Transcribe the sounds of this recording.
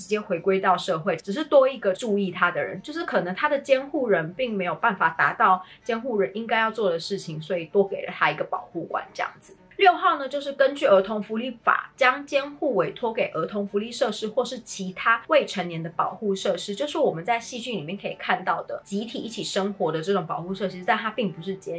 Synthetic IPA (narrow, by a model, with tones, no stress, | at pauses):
ɻ̩˧˥t͡ɕjɛ˥xwe˧˥ɪkwe˥ɪt̪ɑ˥˧ʊʂɤ˥˧xwe˥˩ɪʈ͡ʂ̩˨˩ʂ̬ɻ̩˥˩t̪wɔ˥i˧˥ɡə˨ʈ͡ʂu˥˧i˥˩t̪ʰa˥d̪ə˨ɻə̰˧˦nt͡ɕjo˥˧ʊʂɻ̩˥˩kʰɤ˨˩nə˧˦ŋt̪ʰa˥d̪ə˨t͡ɕjɛ˥nxu˥˩ɻə˧˥npi˥˩ŋme˧˥ɪjo˨˩ʊpa˥˩nfa˨˩t̪a˧˥t̪ɑ˥˩ʊt͡ɕjɛ˥nxu˥˩ɻə˧˦nʔi˥ŋka˥ɪjɑ˥˧ʊt͡swɔ˥˩d̪ə˩ʂɻ̩˥˩t͡ɕʰi˨˩ŋswɔ˧˥i˨˩t̪wɔ˥ke˨˩ɪlə̰˦˩t̪ʰa˥i˧˥ɡə˧pɑ˨˩ʊxu˥˩kwa̰˨˩˦nʈ͡ʂɤ˥˧jɑ̰˥˩ŋd͡z̩˩ | ljo˥˧ʊxɑ˥˩ʊnə˨˩t͡ɕjo˥˧ʊʂ̬ɻ̩˥˩kə˦nt͡ɕy˥˩ə˧˥t̪ʰo˧˥ŋfu˧˥li˥˩fa̰˨˩t͡ɕjɑ˥ŋt͡ɕjɛ˥nxu˥˩we˧˥ɪt̪ʰwɔ˥ke˨˩ɪʔə˧˥t̪ʰo˧˥ŋfu˧˥li˥˧ʂɤ˥˧ʂɻ̩˥xwɔ˥˧ʂɻ̩˥˩t͡ɕʰi˧˥t̪ʰa˥we˥˩ɪʈ͡ʂʰə˧˥njɛ˧˥nd̪ə˧pɑ˨˩ʊxu˥˧ʂɤ˥˩ʂɻ̩˥t͡ɕjo˥˧ʊʂɻ̩˥˩wɔ˨˩mə˦nt͡sa˥˧ɪɕi˥˧t͡ɕy˥˩nli˨mjɛ˥˩nkʰɤ˧˥i˨˩kʰa˥˧nt̪ɑ˥˩ʊd̪ə˩t͡ɕi˧˥t̪ʰi˨˩i˥˩t͡ɕʰi˨˩ʂə˥ŋxwɔ˧˥d̪ə˧ʈ͡ʂɤ˥˩ʈ͡ʂʊ˨˩ŋpɑ˨˩ʊxu˥˧ʂɤ˥˩ʂɻ̩˧˥t̪a˥˩nt̪ʰa˥pi˥˩ŋpu˧˦ʂɻ̩˥˩t͡ɕjɛ˥